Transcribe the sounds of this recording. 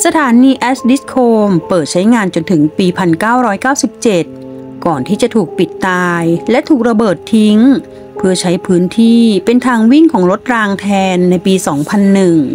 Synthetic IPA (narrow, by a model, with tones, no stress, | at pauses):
sa˧t̪ʰaː˩˦niː˧ʔɛː˦˥sdi˦˥s̚kʰoː˧mpɤː˨˩t̪̚t͡ɕʰa˦˥jŋaː˧nt͡ɕo˧nt̪ʰɯ˩˦ŋpiː˧pʰa˧nkaː˥˩wɾɔː˦˥jkaː˥˩wsi˨˩p̚t͡ɕe˨˩t̪̚ | kɔː˨˩nt̪ʰiː˥˩t͡ɕa˨˩t̪ʰuː˨˩k̚pi˨˩t̪ːaː˧jlɛ˦˥ʔt̪ʰuː˨˩k̚ɾa˧bɤː˨˩t̪ʰːi˦˥ŋ | pʰɯ˥˩ɐt͡ɕʰa˦˥jpʰɯː˦˥nt̪ʰiː˥˩pe˧nt̪ʰaː˧ŋwi˥˩ŋkʰɔː˩˦ŋɾo˦˥t̪̚ɾaː˧ŋt̪ʰɛː˧nːa˧jpiː˧sɔː˩˦ŋpʰa˧nːɯ˨˩ŋ